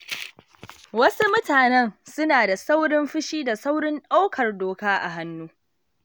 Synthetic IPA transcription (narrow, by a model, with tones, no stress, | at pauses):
wɐ˦su˦mʊ˦taː˨nɛ˦nsʊ˦naː˨da˨sa˦wɽɪ˦mɸɪ˦ʃiː˦da˨sa˦wɽɪ˦nɗa˦wkʰɐ˨rdoː˨kaː˦ʔa̰˨ɦa˦nːuː˦